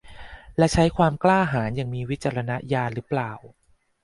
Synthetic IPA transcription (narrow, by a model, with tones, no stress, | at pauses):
lɛ˦˥t͡ɕʰa˦˥jkʰwaː˧mklaː˥˩ɦaː˩˦nja˨˩ŋmiː˧wi˦˥t̪̚t͡ɕa˧ɾa˧na˦˥jaː˧ɾɯː˦˥plaː˨˩w